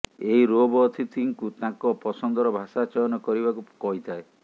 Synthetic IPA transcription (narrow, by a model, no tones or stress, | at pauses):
eɦiɾobɔːt̪ʰit̪ʰiŋkut̪ãkɔpɔsɔnd̪ɔɾɔbʱasat͡ʃɔjɔnɔkɔɾibakukɔɦit̪ʰae